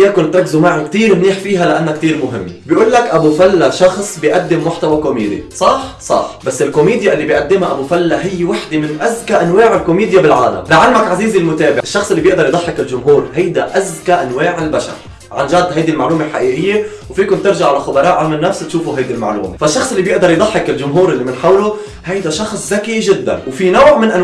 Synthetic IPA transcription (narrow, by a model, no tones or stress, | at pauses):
jaːkʊnt̪ɾˤɑkːzumaʕkt̪iːɾmniːħfiːɦalɪʔanːakt̪iːɾmʊɦɪmːbjʔuːlːakʔabufalːaʃɑxsˤbiʔad̪ːɪmːʊħt̪awakomiːd̪ḭsˤɑħsˤɑ̰ħbasːɪlkomiːd̪jaʔɪlːibijʔad̪ːɪmhaʔabufalːaɦɪjːwaħd̪emɪnʔazkaʔanwaːʕɪlkomiːd̪jabɪlʕaːla̰mlaʕalmakʕaziːzilmʊt̪eːbɪʔɪʃːɑxsˤʔɪlːibjɪʔd̪ɑɾˤjd̪ˤɑħːɪkɪlʒʊmɦuːɾhajd̪aʔazkaʔanwaːʕɪlbaʃɑ̰ɾˤ | ʕanʒad̪ːhajd̪ilmaʕluːmelħaʔiːʔɪjːe | wfiːkʊnt̪ɪɾʒaʕalaxʊbɑɾˤɑːʔʕamɪnːafst̪ʃuːfuɦajd̪ilma̰ʕlṵːmefaʃːɑxsˤɪlːibjɪʔd̪ɑɾˤjd̪ˤɑħːɪkɪlʒʊmɦuːɾʔɪlːimɪnħawlo | hajd̪aʃɑxsˤzakiʒɪd̪ːa̰nwfinowːʕmɪnʔan